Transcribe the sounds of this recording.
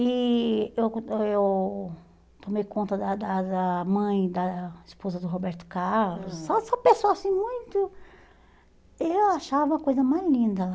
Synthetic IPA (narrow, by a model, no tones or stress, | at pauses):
iewew | t̪omejkõnt̪ɐd̪ɐd̪ɐɐmɐ̃j̃d̪ɐispozɐd̪ʊɦobɛɾt̪ʊ̥kaɾlʊssɔsɔpẽsoasĩmũj̃t̪ʊ | ewaʃavɐũɐkojzɐmazlĩnd̪ɐ